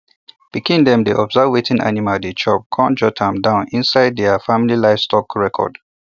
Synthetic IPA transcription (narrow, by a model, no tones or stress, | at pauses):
b̥ikĩndɛ̃mdiʔɔbzavvetʰĩnʔa̰nimadet͡ʃɔ̰b̚kʰɔ̃nd͡ʒɔtʰãmdãʊ̃nĩnsaɪd̚dɛafamililaɪvstʰɔkɹɛkʰɔ̰d̥